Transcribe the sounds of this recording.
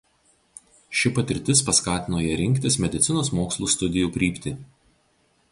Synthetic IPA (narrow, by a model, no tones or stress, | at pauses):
ʃʲɪpɐt̪ʲɪɾʲt̪ʲɪspɐskɑːt̪ʲɪnoːjɛɾʲɪŋʲkʲt̪ʲɪsmʲɛd̪ʲɪt̪sʲɪnoːsmoːkslˠuːst̪ʊd̪ʲɪjuːkʲɾʲiːpʲt̪ʲɪ